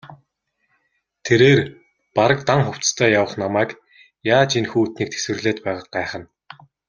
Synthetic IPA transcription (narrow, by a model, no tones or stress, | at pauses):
t̪ʰeɾeːr | paɾə̆kt̪aŋχʊw̥t͡st̪ʰœːjawə̆χnamæːk | jaːt͡ɕinxuːt̪niːk̚t̪ʰe̥swɘ̆rɮeːt̪pæːʁə̆q̚ɢæːχə̆n